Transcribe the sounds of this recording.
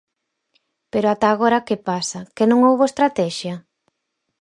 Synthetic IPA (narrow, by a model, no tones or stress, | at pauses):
peɾoat̪aːɣ̞oɾakepasɐkɪnõŋowβoest̪ɾat̪ɛʃjɐ